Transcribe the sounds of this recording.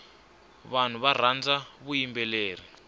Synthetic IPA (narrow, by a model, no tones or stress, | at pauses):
βan̤uβar̤and͡zaβujimbɛleːr̤i